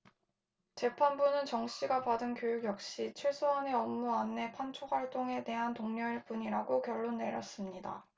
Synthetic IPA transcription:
t͡ɕe̞pʰanbunɯnt͡ɕʌŋɕ͈iɡapadɯnkjojuɡjʌk̚ɕ͈it͡ɕʰiɭs͈ʰuɦane̞ʌmːuanːe̞pʰant͡ɕʰok̚hwaɭt͈oŋe̞te̞ɦantoŋɲʌɭp͈uɲiɾaɡokjʌɭːonːe̞ɾjʌ̰s͈ɯmɲida̰

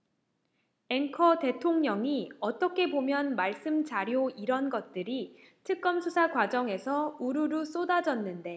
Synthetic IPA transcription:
eŋkʰʌte̞tʰoŋɲʌŋiʌt͈ʌkʰe̞bomjʌnmaɭs͈ɯmt͡ɕaɾjoiɾʌnɡʌt̚t͈ɯɾi | tʰɯk̚k͈ʌmsʰusʰakwad͡ʑʌŋe̞sʰʌuɾuɾus͈odad͡ʑʌnːɯnde̞

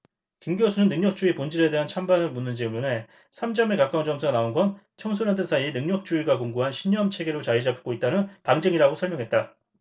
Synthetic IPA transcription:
kimɡiosʰunɯnːɯŋɲʌk̚t͡ɕ͈uipond͡ʑiɾe̞de̞ɦant͡ɕʰambanɯɭmunːɯnd͡ʑimune̞ | sʰamd͡ʑʌmekak͈aund͡ʑʌmsʰɯnaonɡʌn | t͡ɕʰʌŋsʰunandʰɯnsʰaienɯŋɲʌk̚t͡ɕ͈uiɡakoŋɡuɦanɕʰiɲːʌmt͡ɕʰe̞ɡe̞ɾot͡ɕaid͡ʑapʰɯ̥ɡ͈oit̚t͈anɯnpaŋd͡ʑeŋiɾaɡosʰʌɭmjʌŋɦe̞t̚t͈a

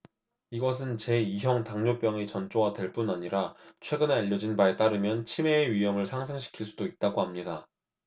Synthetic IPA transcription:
iɡʌs̬ʰɯnt͡ɕe̞iɦjʌŋtaŋɲop͈jʌŋet͡ɕʌnt͡ɕ͈oɡatwe̞ɭp͈unaɲiɾat͡ɕʰwe̞ɡɯne̞aʎːʌd͡ʑinbae̞t͈aɾɯmjʌnt͡ɕʰime̞ːɥijʌmɯɭsʰaŋs̬ʰɯŋɕʰi̥kʰiɭs͈udoit̚t͈aɡoɦamɲida

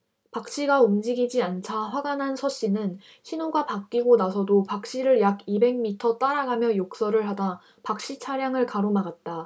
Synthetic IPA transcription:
pak̚ɕ͈iɡaumd͡ʑiɡid͡ʑiant͡ɕʰaɸwaɡanɦansʰʌɕ͈inɯn | çinoɡapak̚k͈iɡonasʰʌdopak̚ɕ͈iɾɯɭjaɡibe̞ŋmitʰʌt͈aɾaɡamjʌjok̚s͈ʌɾɯɭɦada | pak̚ɕ͈it͡ɕʰaɾjaŋɯɭkaɾomaɡat̚t͈a

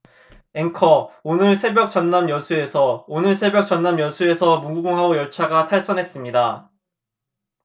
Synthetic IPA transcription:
e̞ŋkʰʌonɯɭsʰe̞bjʌk̚t͡ɕʌnːamjʌsʰue̞sʰʌonɯɭsʰe̞bjʌk̚t͡ɕʌnːamjʌsʰue̞sʰʌmuɡuɡuŋɦaojʌɭt͡ɕʰaɡatʰaɭs͈ʌnɦe̞s͈ɯmɲida

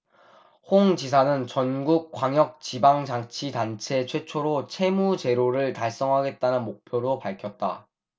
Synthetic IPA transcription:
hoŋt͡ɕisʰanɯnt͡ɕʌnɡuk̚k͈waŋjʌk̚t͡ɕibaŋd͡ʑaŋt͡ɕʰidant͡ɕʰe̞t͡ɕʰwe̞t͡ɕʰoɾot͡ɕʰe̞mut͡ɕe̞ɾoɾɯɭtaɭs͈ʌŋɦaɡe̞t̚t͈anɯnmok̚pʰjoɾopaɭkʰjʌt̚t͈a̰

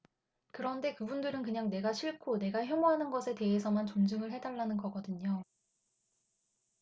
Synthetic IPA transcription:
kɯɾʌnde̞kɯbundɯɾɯnkɯɲaŋne̞ɡaɕʰiɭkʰone̞ɡaçjomoɦanɯnɡʌsʰe̞te̞esʰʌmant͡ɕond͡ʑɯŋɯɭɦe̞daɭːanɯnɡʌɡʌdɯɲo

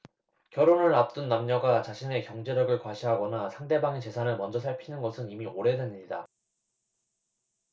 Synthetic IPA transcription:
kjʌɾonɯɭːap̚t͈ɯnːamɲʌɡat͡ɕaɕʰine̞kjʌŋd͡ʑe̞ɾʌɡɯɭkwaɕʰiɦaɡʌnasʰaŋde̞baŋet͡ɕe̞sʰanɯɭmʌnd͡ʑʌsʰaɭpʰinɯnɡʌsʰɯnimioɾe̞dwemɲida̰

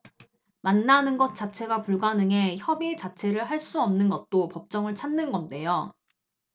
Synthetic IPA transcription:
manːanɯnɡʌt̚t͡ɕ͈at͡ɕʰe̞ɡapuɭɡanɯŋe̞çjʌbit͡ɕat͡ɕʰe̞ɾɯɭɦaɭs͈uʌmnɯnɡʌt̚t͈opʌp̚t͡ɕ͈ʌŋɯɭt͡ɕʰanːɯnɡʌnde̞jo

